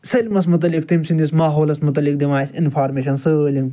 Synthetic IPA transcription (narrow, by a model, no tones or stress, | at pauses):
selʲmɐsmʊt̪̬ɐlːik̚t̪imsind̪ismaːɦoːlɐsmʊt̪ɐlːik̚d̪imaːsɪnfʰaːɾmeːʃɐnsɨlʲiŋɡ